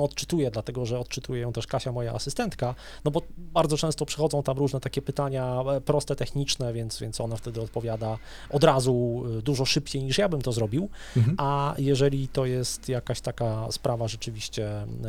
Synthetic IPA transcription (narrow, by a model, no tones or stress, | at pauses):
ɔt̪t͡ʂɘ̥t̪ujɛd̪lat̪ɛɡɔʐɛɔt̪̚t͡ʂɘt̪ujɛjɔ̃w̃t̪ɛʂkaɕamɔja̰ʔa̰sɘst̪ɛnt̪ka | nɔbɔbaɾdzɔt͡ʂɛ̃w̃st̪ɔpʂɛ̥xɔd̪zɔ̃w̃t̪amɾuʐnɛt̪akʲɛpɘt̪aɲapɾɔst̪ɛt̪ɛxɲit͡ʂnɛvʲjɛnt̪svʲjɛntsɔnaft̪ɛd̪ɘɔt̪̚pɔvʲjad̪a | ʔɔd̪ɾazud̪uʐɔʂɘpt͡ɕejɲiʂjabɘmt̪ɔzɾɔbʲiwajɛʐɛlʲit̪ɔjɛst̪jakaɕt̪akaspɾavaʐɛt͡ʂɘvʲiɕt͡ɕɛ